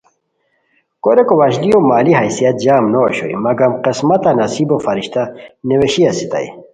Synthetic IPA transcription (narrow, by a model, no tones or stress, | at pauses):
koɾekowaɕlijomaːliɦɐjsijɐt̪̚d͡ʑaːmnoːɕo̰ḭmɐɡɐmqesmɐt̪anɐsibofɐɾiɕt̪aneweɕiɐsit̪a̰j̰